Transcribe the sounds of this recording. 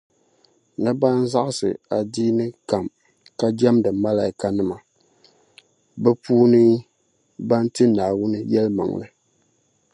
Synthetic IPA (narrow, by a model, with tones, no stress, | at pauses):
nɨ˦baː˦n̩˦za˦ʔɨ˦sɨ̰˨a˨diː˦nɨ˦ka˨m | ka˦d͡ʒɛ˦mdɨ˨ma˦la˨ɪ˦ka˨nɨ˦ma˨ | bɛ˦puː˦nɨ˦ | ba˦n˦tɨ˦naː˨wʊ˦nɨ˦jɛ˦lma̰˨ŋ˨lɨ˦